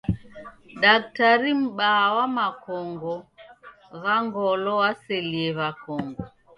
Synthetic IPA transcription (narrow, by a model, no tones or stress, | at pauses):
ɗak̚taɾim̩ɓaːwamakɔŋɡɔ | ɣaŋɡɔlɔwasɛliɛβakɔŋɡɔ